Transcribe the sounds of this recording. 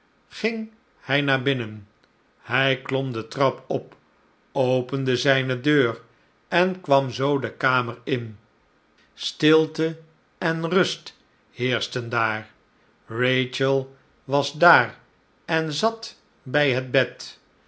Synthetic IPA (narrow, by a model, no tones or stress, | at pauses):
χɪŋ | hɛjnaːɹbɪnən | hɛjklɔmdətrɑpɔp | owpəndəzɛjnədøːr | ɛnkʋɑmzowdəkaːməɹɪn | stɪlˠtə | ɛnrɵst | hɪːɹstəndaːɹ | rejt͡ʃəlˠ | ʋɑzdaːr | ɛnzɑt | bɛjɦəd̚bɛt